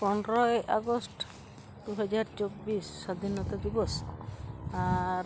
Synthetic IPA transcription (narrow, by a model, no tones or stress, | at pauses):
pɔnɾɔjaɡɔsʈ | d̪uɦɔd͡ʒaɾt͡ʃobisːad̪ʱinɔt̪ad̪ibɔs | aɾ